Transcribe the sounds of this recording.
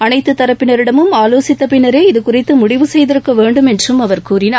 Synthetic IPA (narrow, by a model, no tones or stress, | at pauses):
ɐnɐɪt̪ːɯt̪ːɐɾɐpːɪnɐɾɪɽɐmɯmaːloːsɪt̪ːɐpɪnɐɾeːɪðɯkʊrɐɪt̪ːɯmʊɽɪʋɯsɛjðɪɾɯkːɐʋeːɳɖɯmɛndrɯmɐʋɐɾkuːɾɪnaː